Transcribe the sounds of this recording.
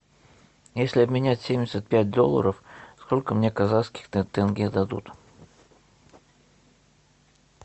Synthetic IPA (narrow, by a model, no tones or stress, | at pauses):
jesʲlʲɪɐbmʲɪnʲætʲsʲemʲdʲɪsʲət̪̚pʲæt̚ʲd̪o̞̰lˠːə̰ɾəfsko̞lʲkəmnʲe̞kɐzaskʲɪ̥xt̪t̪ɛnɡʲed̪ɐd̪ṵt̪